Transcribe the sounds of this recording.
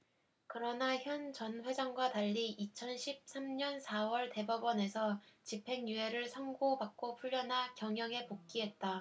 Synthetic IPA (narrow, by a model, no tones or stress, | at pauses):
kɯɾʌnaçjʌnt͡ɕʌnɸwe̞d͡ʑaŋɡwataʎːiʔit͡ɕʰʌnɕʰip̚s͈amɲʌnsʰawʌɭte̞bʌbʌne̞sʰʌt͡ɕipʰe̞ŋjue̞ɾɯɭsʰʌŋɡobak̚k͈opʰuʎːʌnɦakjʌŋjʌŋe̞pok̚k͈iɦe̞t̚t͈a